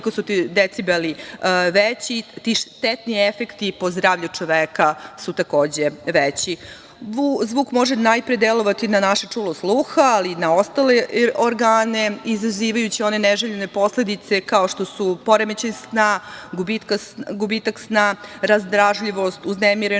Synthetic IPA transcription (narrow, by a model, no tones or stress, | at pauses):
ikosut̪id̪et̪sibeliʋet͡ɕit̪iʃt̪et̪niefe̞kt̪ipo̞zd̪ɾaːʋʎut͡ʂo̞ʋeːkasut̪ako̞ːd͡ʑeʋet͡ɕi | ʋuzʋuːkmo̞ʒenajpɾed̪elo̞ʋat̪inanaʃat͡ʂuːloslˠuxaalinao̞st̪aleoɾɡaːne̞izaziːʋajut͡ɕio̞neneʒeʎene̞po̞sled̪it̪se̞kao̞ʃt̪o̞supo̞ɾemet͡ɕensnaɡubit̪kaɡubit̪aksnaɾazd̪ɾaʒʎiʋo̞st̪uznemiɾe